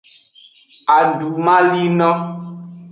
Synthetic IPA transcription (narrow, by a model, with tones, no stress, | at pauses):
a˨ɖu˨mã˦li˦nɔ̃˦